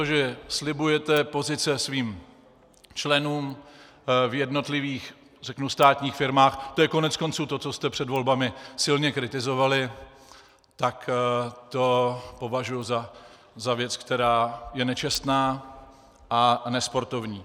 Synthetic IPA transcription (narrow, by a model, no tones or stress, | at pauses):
t̪oʒɛslɪbujɛt̪ɛpo̞zɪt͡sɛsviːm | t͡ʃlɛnuːm | vjɛdno̞t̪lɪviːx | rɛknust̪aːt̪ɲiːxfɪɾmaːxt̪ojɛko̞nɛt͡sko̞nt͡suːt̪o̞t͡so̞st̪ɛpr̝̥ɛdvo̞lbamɪsɪlɲɛkɾɪt̪ɪzo̞valɪ | t̪akt̪o̞po̞vaʒujuza | zavjɛt͡skt̪ɛɾaːjɛnɛt͡ʃɛst̪naː | ʔanɛspo̞ɾt̪o̞vɲiː